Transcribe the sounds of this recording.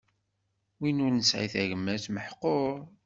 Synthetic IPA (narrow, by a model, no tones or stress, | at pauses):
winʊɾnəsʕḭθæʝəmːæθməħqːoɾ